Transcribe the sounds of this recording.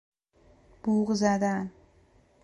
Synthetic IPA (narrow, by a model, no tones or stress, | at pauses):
b̥uːʁɨzad̪an